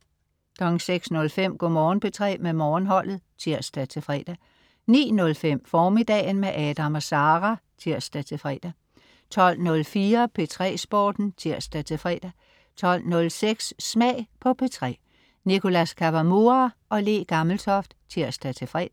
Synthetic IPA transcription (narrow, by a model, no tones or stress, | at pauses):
d̥ɒŋseɡ̥snɔ̽lfem̰ɡ̥ɔ̰mɒːnpʰe̝t͡sʰʁɛ̰ːmemɒːnɦɒ̽l̰ð̩ˠt͡sʰiɐ̰sd̥æt͡sʰe̝fʁɛ̰ːd̥æ | nḭːnɔ̽lfem̰fɒːme̝d̥ɛːnmeʔɛd̥æmɒ̽sɑ̈ːʁæt͡sʰiɐ̰sd̥æt͡sʰe̝fʁɛ̰ːd̥æ | t͡sʰɒ̽l̰nɔ̽lfiːɐpʰe̝t͡sʰʁɛ̰ːsb̥ɒːd̥n̩t͡sʰiɐ̰sd̥æt͡sʰe̝fʁɛ̰ːd̥æ | t͡sʰɒ̽l̰nɔ̽lseɡ̥ssmɛɪpʰɒ̽pʰe̝t͡sʰʁɛ̰ː | niko̝læskʰæʋæmoɑʔɒ̽le̝̰ːɡ̥ɑml̩t͡sʰɒfd̥t͡sʰiɐ̰sd̥æt͡sʰe̝fʁɛ̰ːd̥æ